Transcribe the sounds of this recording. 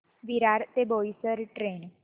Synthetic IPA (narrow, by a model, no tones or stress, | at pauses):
ʋiɾaːɾt̪eboːisəɾʈɾeːn